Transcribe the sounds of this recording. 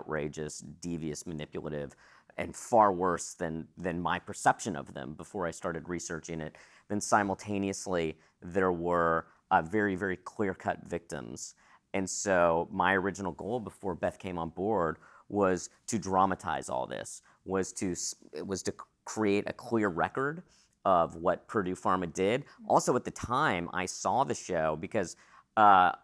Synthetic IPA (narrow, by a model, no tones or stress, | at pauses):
ʊʔɹeɪd͡ʒɨsd̥iviɨsmɨnɪpjl̩ˠə̰ɾɪv | ɨ̰̃nfɑɹwɜ˞sðɨ̃nðɨ̃nmaɪpʰə˞sɛpʃɨ̃nʌ̰vðɨ̰̃mbəfɔɹaɪstɑɹɾɨd̚ɹisɜ˞t͡ʃɪ̃ŋɪt̪̚ | ðɨ̃nsãɪ̃ml̩ˠtʰẽɪ̃niɨsli | ðə˞wə˞ | vɛɹivɛɹikʰl̥ɪɹkʰʌ̰tvɪk̚tə̰̃mz̥ | ɨ̃nsoʊmaɪə˞ɪd͡ʒɨn̩l̩ˠɡoʊlˠbəfɔɹbɛθkʰẽɪ̃mə̃nbɔɹd̚wʌz̥tʰɨdɹɑmətʰa̰ɪzɔ̰lˠðɪ̰s | wʌz̥tʰɨsɪ̰t̚wʌz̥tʰɨ | kʰɹ̥ieɪɾʔɨ̰kʰl̥ɪɹɹɛkə˞ɾ | ʌvwʌt̚pʰɹ̥ɨɾʉfɑɹmɨdɪɾʔɔ̰lˠsoʊət̪̚ðɨtʰãɪ̃mʔa̰ɪsɔðɨʃoʊbɨkʰʌz̥ | ʌ